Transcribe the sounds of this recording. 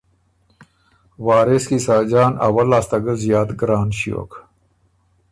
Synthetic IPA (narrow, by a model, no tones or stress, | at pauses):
waːɾeskisaːd͡ʑaːnɐ̰wɐlaːst̪ɐɡəzjaːt̪ɡɾaːnɕjo̰ːk